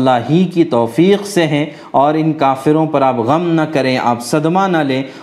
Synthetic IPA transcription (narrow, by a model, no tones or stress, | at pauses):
lːaːɦikit̪ɔːfiːqseɦɛ̃ | ɔːɾɪnkaːfɪɾõpɐɾaːpɣɐmnɐkɐɾẽʔa̰ːpsɐd̪manaleː